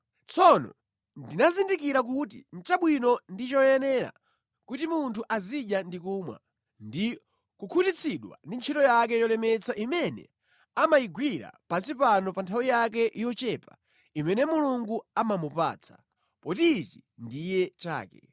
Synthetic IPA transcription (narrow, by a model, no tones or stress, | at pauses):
t͡sʰɔnɔ̰ | ndinazindikiɾak̬ut̬ḭn̩t͡ʃaɓwinɔndit͡ʃɔjɛnɛɾa̰ | kutimuntʰuʔaziʄjandikuːmwa̰ | ndi | kukʰutit͡sʰiɗwa̰ndint͡ʃʰitɔjak̬ɛjɔlɛmɛt͡saʔimɛnɛ̰ | amajiɡwiɾa̰pasipanɔpantʰawijak̬ɛʔijɔt͡ʃɛpa̰ | imɛnɛmuluŋɡuamamupa̰ːt͡sʰḁ | pɔtit͡ʃindijɛt͡ʃa̰ːkɛ